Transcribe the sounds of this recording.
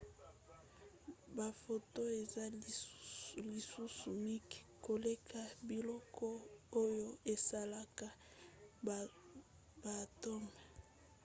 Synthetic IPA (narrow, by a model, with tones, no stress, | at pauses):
ba˨fo˨to˦e˨za˦ | li˨su˦su˨mi˦ki̥˨ko˨le˦kʰa˨bi˨lɔ˦kʰɔ˦o˦jo˦e˨sa˦la˨ka˨ | ba˨to˦mɛ˨